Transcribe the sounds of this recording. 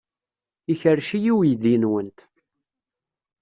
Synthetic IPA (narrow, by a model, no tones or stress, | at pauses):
içəɾʃijiwjðinwənt̪